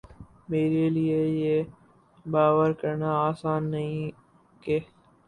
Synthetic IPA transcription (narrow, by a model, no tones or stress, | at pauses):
meːɾeliejeː | baːʋəɾkəɾnaaːsaːnːɐɦĩ | keː